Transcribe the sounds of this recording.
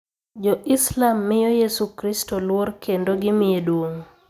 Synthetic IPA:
d͡ʒɔʔɪslamːɪjojesukɾistolworkʰendoɡɪmɪedwoŋ

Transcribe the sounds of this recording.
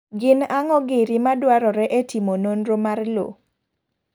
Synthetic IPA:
ɡɪnaŋɔɡɪɾimadwaɾɔɾɛʔetimononɾomarlo̰

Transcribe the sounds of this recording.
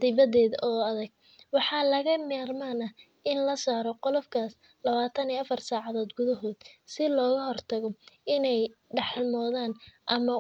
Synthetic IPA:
d̪ɪβɐðɛːðʔɔːɐðɐɡ̚ | wɑħɑːlɐɣɐmɛːrmaːnɐ | ɪnlɐsaːɾɔqɔlɔfkʰaːs | lɐβaːt̪ʰɐniːɐfɐrsaːʕɑðɔːd̪ɡʊðɐɦɔːd̪̥sɪlɔːɣɐɦɔrt̪ʰɐɣɔɪnɛjɖɑħlmɔːðaːnʔɐmɐ

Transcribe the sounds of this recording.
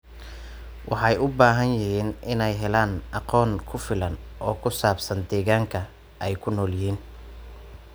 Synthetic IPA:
wʔɑħɑjʔʊbaːɦɐnjɪhiːnʔɪnɛjɦɛlaːnʔɑqɔːnkʰʊfɪlɐnɔːkʰʊsaːbsɐnd̪ɛːɣaːŋkʰɐ | ɛjkʰʊnɔːljɪɦiːn

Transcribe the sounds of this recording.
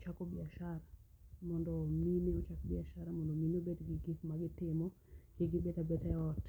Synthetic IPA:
t͡ʃakobɪaʃaɾamɔndɔminɪɔt͡ʃakbɪaʃaɾamɔndominobetɡɪɡɪt̪maɡɪtɪmɔ | keɡɪbetabetaɔt

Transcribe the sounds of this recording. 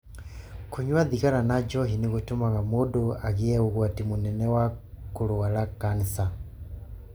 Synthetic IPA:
kuɲwaðiɣaɾanad͡ʒɔɦiniɣutumaɣamodoaɣiɛɣuɣwatimunɛnɛwakuloalakanisa

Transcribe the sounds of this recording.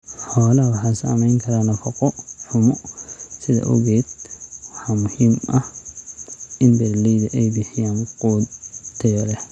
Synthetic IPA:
ħɔːlɐwɑħasɐ̰mɛjŋkʰɐɾalɐfɔqʼɔħʊmɔsɪðɐ̰ʔʊ̰ɣeːd̪̚wɑħamʊhiːmʔɐh | ʔɪnbɛɾlid̪ɐʔejbɪħɪjaːnqʼuːd̪t̪ʰːɐjɔlɛ

